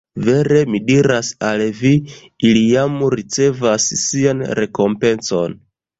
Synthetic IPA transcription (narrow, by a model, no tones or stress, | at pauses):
ve̞ɾe̞midiɾasalvi | iliamɾit͡se̞vasːianɾe̞ko̞mpe̞nso̰n